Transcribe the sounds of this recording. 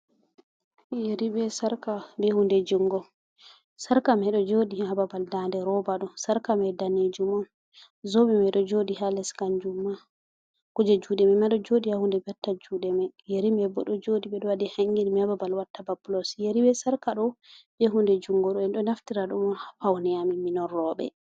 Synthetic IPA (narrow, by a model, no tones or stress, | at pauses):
jeɾibɛsaɾkabɛhundɛd͡ʒuŋɡɔ | saɾkamɛɗɔd͡ʒodihababaldandɛɾɔbaɗɔsaɾkamɛdanid͡ʒumɔn | zɔbɛmɛɗɔd͡ʒodihalɛskaɲd͡ʒumːa | kud͡ʒɛd͡ʒuːdɛmɛmaɗɔd͡ʒodihahundɛbatːad͡ʒuːɗɛmɛjeɾimɛbɔɗɔd͡ʒodiɓɛɗɔwadɛhaŋɡinimiababalwatːababulɔsjeɾibɛsaɾkaɗɔbeɦundɛd͡ʒuŋɡɔɗɔɛnɗɔnaftiɾaɗumpawnɛjamiminɔɾɔɓɛ̰